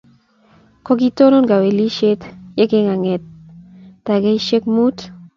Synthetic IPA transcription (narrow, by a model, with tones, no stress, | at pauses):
kɔ˦ki˦to˦ɾo˦nɡa˨we˨li˦ʃe˦tje˦ke˦ŋa˨ŋe˨t̚ː | a˨ɡe˦i˦ʃe˦k̚mu˦t